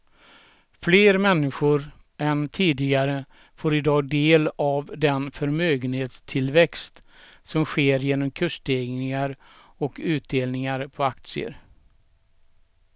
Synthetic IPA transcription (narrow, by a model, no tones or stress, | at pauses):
fleːɾmɛnːɪɧʊɾ | ɛnt̪ʰiːd̪ɪɡaɾə | foːɾɪd̪ɑːd̪eːlavd̪ɛnfœɾmøːɡənheːt̪st̪ʰɪlvɛkst̪sɔmɧeːɾjeːnɔmkʰɵʂʈeɡnɪŋaɾ | ɔkʰʉ̟ːt̪̚d̪eːlnɪŋaɾpʰɔak̚t̪sɪə̰ɾ